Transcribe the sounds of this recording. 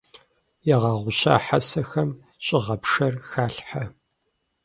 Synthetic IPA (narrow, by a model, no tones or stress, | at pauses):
jɛʁɑːʁʷʊɕa̰ːħasɐxɐm | ɕʼɪʁɐpʂɐrxaːɬħa